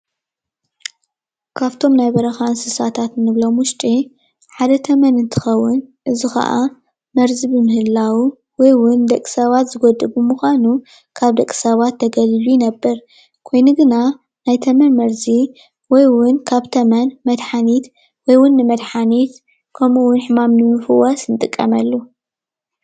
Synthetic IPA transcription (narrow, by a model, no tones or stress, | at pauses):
kʰaβt̪ʰo̞mnajbɐɾɐxansɨsat̪ʰat̪nɨβlo̞mʊʃt͡ʃ̪ʼi | ħad̪ɐt̪ʰɐmɐnɨnt̪ʰɨ̥xɐwːʊnʔɨzixɐ̰ʔa̰ | mɐɾzɨbɨmɨhɨlːawu | wɔjwʊnd̪ɐkʼːi̥sɐβat̪zɨɡod̪ɨbumuxʷanu | kʰaβd̪ɐkʼːi̥sɐβat̪ʰːɐɡɐlɨlujɪnɐbːɐɾ | kʰo̞jnuɡɨna | najt̪ʰɐmɐnmɐɾzi | wɔjwʊnkʰaβt̪ʰɐmɐnmɐd̪ħanit̪ | wɔjwʊnːɨmɐd̪ħanit̪ | kʰɐmuwʊnħɨmamnɨmɨfɨwɐsnɨt̪ʼɨkʼːɐ̰mɐlːu